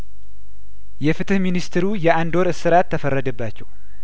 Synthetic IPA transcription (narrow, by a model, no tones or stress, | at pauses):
jɛfɨt̪ʰɨhminist̪ɨɾujɛʔand̪o̞ɾɨsɨɾat̪ʰːəfərːəd̪əbːat͡ʃːɛw